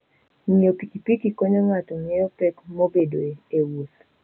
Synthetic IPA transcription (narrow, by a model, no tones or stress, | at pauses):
ɲiopikipikikoɲoŋatɔŋejopɛkmobedoeewuθ